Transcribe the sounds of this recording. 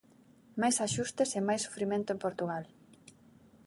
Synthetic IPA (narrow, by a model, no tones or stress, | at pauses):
majsaʃust̪esemajsːo̥fɾimẽnt̪ʊempoɾt̪uɣal